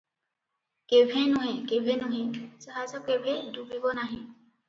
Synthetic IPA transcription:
kebʱɛnɔɦɛ̃kebʱɛnɔɦɛ̃z̥ɔɦazɔkːebʱɛdubibɔnaɦɛ̃

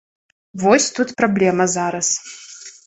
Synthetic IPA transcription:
vɔsʲt̪ut̪pɾablʲɛmɐzaɾɐs

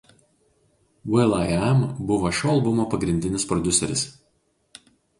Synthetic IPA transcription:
wɛlˠaɪɛmbʊʋoʃʲoːɐlˠbʊmoːpɐɡɾʲɪnʲd̪ʲɪnʲɪspɾɔd̪ʲʊsʲɛ̰ɾʲɪs

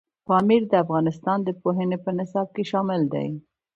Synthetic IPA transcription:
pɑmiɾd̪əafɣɑnɪst̪ɑnd̪əpoɦənepənɪsɑb̚keʃɑmɪld̪a̰j

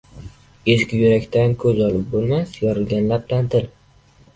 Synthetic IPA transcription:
eʃkʲɪjʊɾakʲt̪ʰankʰɵzɒlɪp̚bolˠmasjɒɾɨlɡʲanlaplant̪ʰɪl

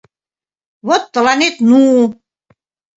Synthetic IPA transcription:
βot̪ːə̆lɑnet̪nu

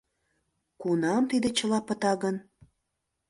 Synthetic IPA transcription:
kunɑmt̪id̪et͡ɕəlɑpət̪ɑɣən

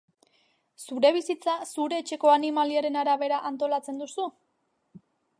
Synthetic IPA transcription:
suɾe̞β̞isit͡sasuɾe̞ːt͡ʃe̞ko̞animaliaɾe̞naɾaβe̞ɾaʔant̪o̞lat͡se̞nd̪usu

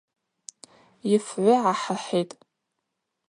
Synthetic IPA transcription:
ɪfʕʷʊʕaħəħetʼ

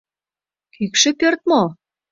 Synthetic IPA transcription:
kʰykʃĕpørt̪̚mo

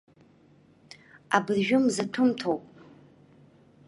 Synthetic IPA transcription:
a̰bɨrʒᶣʊmzɨtʰʊmtʰowpʼ

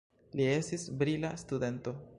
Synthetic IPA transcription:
lie̞stisbɾilastude̞nto̞

